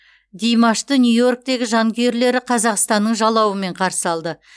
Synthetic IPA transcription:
d̪ʲijmɑʃt̪ənʲjujo̞rk̚t̪e̞ɡʲɪʒɑŋɡʲeɾle̞ɾɪqʰɑzɑqst̪ɑnːəɴʒɑlˠɑwəme̞ɴqʰɑɾsə̥ɑlˠd̪ə

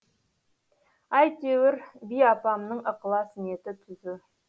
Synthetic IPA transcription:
ɑjt̪ewɪɾbijɑpɑmnəɴəqlˠɑsəne̞t̪ɪt̪ʰʏzɪ

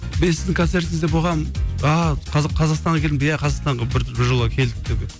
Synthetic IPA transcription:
besɪzd̪ɪŋkʰo̞nt̪se̞ɾt̪ɪŋɪzd̪epoʁɑmɑqʰɑzɑqʰɑzɑqst̪ɑɴʁɑkʲʰe̞lɪmbjæqʰɑzɑqst̪ɑɴʁɑbɪɾt̪ʰɾbɪɾʒolˠʁɑkʲʰe̞ld̪ɪd̪eɡʲe

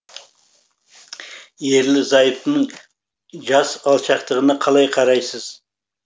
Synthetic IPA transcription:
je̞ɾlɪzɑjəpnəɴ | ʒɑsɑlˠʃɑqt̪əʁənɑqʰɑlˠɑjqʰɑɾɑjsəz̥

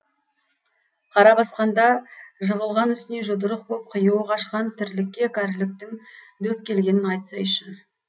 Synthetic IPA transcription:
qʰɑɾɑbɑsqɑnd̪ɑʒəʁəlˠʁɑnʏst̪ɪne̞ʒʊd̪əɾəq̚bop̚qʰəjuwəqɑʃqɑnt̪ʰɪɾlɪkʲːe̞kʰʲæɾlɪk̚t̪ɪŋ | d̪ɵk̚kʲːe̞lɡʲe̞nɪnɑjt̪ə̥sɑjʏʃɪn

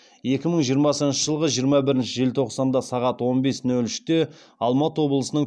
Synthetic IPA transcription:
je̞kʲɪməɴʒijəɾmɑsəənʃəʒəlˠʁəʒijəɾmɑbɪɾɪnʃɪʒelt̪ʰo̞qsɑnd̪ɑsɑʁɑt̪wo̞nbe̞snɵlʏʃt̪e | ɑlˠmɑt̪əwo̞blˠəsənəɴ

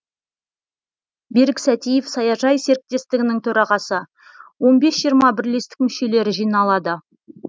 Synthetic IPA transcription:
beɾɪksæt̪ijefsɑjɑʒɑjse̞ɾɪk̚t̪e̞st̪ɪɡʲɪnɪŋt̪ʰɵɾɑʁɑsə | wo̞nbe̞sʒ̥ijəɾmɑbɪɾle̞st̪ɪ̥k̚mʏʃe̞le̞ɾɪʒijnɑlˠɑd̪ə

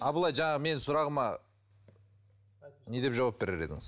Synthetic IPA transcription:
ɑblˠɑjʒɑɴɑʁəme̞nsʊɾɑʁəmɑ | ne̞d̪epʒɑwap̚be̞ɾe̞ɾe̞̰d̪ɪ̰ŋɪz

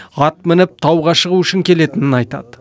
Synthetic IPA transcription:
ɑt̪mɪnɪp̚t̪ʰɑwʁɑʃəʁuʏʃɪŋkʲʰe̞le̞t̪ɪnɪnɑjt̪ɑ̰d̪̥ə

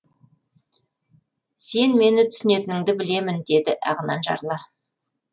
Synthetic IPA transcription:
se̞nme̞nɪt̪ʰʏ̥sɪne̞t̪ɪnɪŋd̪ɪbɪle̞mɪnd̪e̞d̪ɪʔɑ̰ʁənɑnʒɑ̰ɾlˠɑ

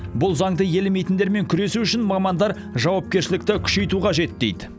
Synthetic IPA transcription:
bʊlˠzɑŋd̪əje̞lɪme̞jt̪ɪnd̪e̞ɾme̞ŋkʲʰʏɾe̞suʏʃɪnmɑmɑnd̪ɑɾ | ʒɑwɑp̚kʲe̞ɾʃɪlɪk̚t̪ɪkʲʰʏ̥ʃe̞jt̪uqɑʒe̞t̪d̪e̞̰jd̪ɪ

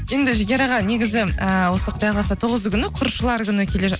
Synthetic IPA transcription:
je̞nd̪ɪʒɪɡʲeɾɑʁɑne̞ɡʲɪzɪəwo̞səqʰət̪ɑjʁˠɑsɑt̪ʰoʁəzkʲʰʏnɪqʰʊɾʃəlˠɑɾkʲʏnəkʲʰe̞le̞ʒ

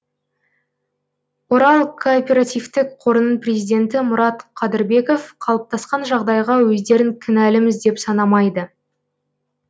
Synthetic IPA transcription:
woɾɑlˠkʰoːpʲe̞ɾat̪ijvt̪ɪkqʰo̞ɾənənprʲezijd̪e̞nt̪ɪmʊɾɑt̪qʰɑd̪ɪɾbe̞ko̞fqʰɑlˠəp̚t̪ʰɑsqɑnʒɑʁd̪ɑjʁɑwɵzd̪e̞ɾɪŋkʲʰɪnælɪmɪzd̪e̞psɑnɑmɑjd̪ə

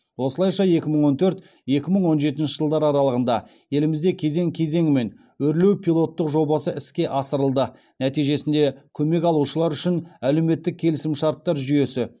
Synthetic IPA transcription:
wo̞səlˠɑjʃɑje̞kʲɪməɴwo̞nt̪ʰɵɾt̪ | je̞kʲɪməɴwo̞nʒe̞t̪ɪnʃɪʒəlˠd̪ɑɾɑɾɑlˠəʁənd̪ɑ | je̞lɪmɪzd̪e̞kʲʰe̞ze̞ŋkʲʰe̞ze̞ŋɪme̞n | wɵɾle̞wpʲʰijlˠo̞t̪ːəqʒo̞bɑsəʔɪskʲe̞ʔɑsəɾəlˠd̪ə | næt̪ijʒe̞sɪnd̪e̞kʲʰɵme̞kɑlˠuʃəlˠɑɾʏʃɪnæle̞me̞t̪ːɪk̚ʲʰe̞lɪsɪmʃɑɾt̪ːɑɾʒʏje̞sɪ

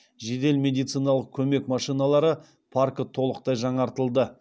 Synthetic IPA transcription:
ʒe̞d̪e̞lmʲe̞d̪ijt̪sɨjnɑlˠəq̚kʲʰɵme̞kmɑʃijnɑlˠɑɾə | pʰaɾkət̪ʰo̞lˠəqt̪ɑjʒɑɴɑɾt̪əlˠd̪ə

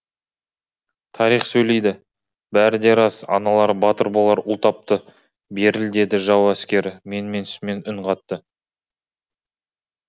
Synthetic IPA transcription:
t̪ʰɑɾijχsɵjle̞jd̪ɪ | bæɾɪd̪e̞ɾɑsɑ̰nɑlˠɑɾbɑt̪əɾbolˠɑɾʊlˠt̪ɑp̚t̪ə | be̞ɾɪld̪e̞d̪ɪʒɑwæskʲe̞ɾɪme̞nɪme̞nsme̞nʏɴqɑt̪ːə

